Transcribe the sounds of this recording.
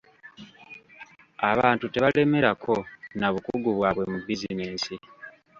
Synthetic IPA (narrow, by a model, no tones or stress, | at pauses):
aβaːntute̞βale̞me̞ɾakʰo̞naβukuɡuβwaːβwe̞mubizineːsi